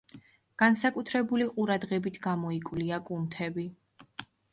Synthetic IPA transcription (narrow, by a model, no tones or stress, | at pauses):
ɡ̥ansakʼut̪ʰɾɛbuliqʼuɾad̪ʁɛbit̪ʰɡamɔikʼwliakʼunt̪ʰɛbi